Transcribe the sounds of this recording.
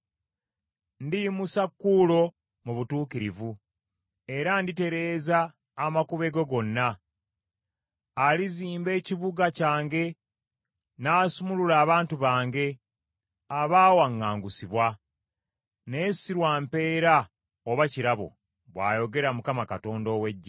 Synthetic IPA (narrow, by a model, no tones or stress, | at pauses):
ndimusakːuːlo̞ | muβutuːkiɾivu | e̞ɾandite̞ɾe̞ːzaː | makuβe̞ɡoɡo̞nːa | liziːmbe̞ːciβuɡacaːŋɡe̞ | naːsumululaːβaːntuβaːŋɡe̞ | aβaːwaŋːaːŋɡusiβwa | ne̞siɾwaːmpe̞ːɾa | oβaciɾaβo̞̰ | βwa̰ːjo̞ɡe̞ɾamukamakato̞ːndo̞ːwe̞ɟːa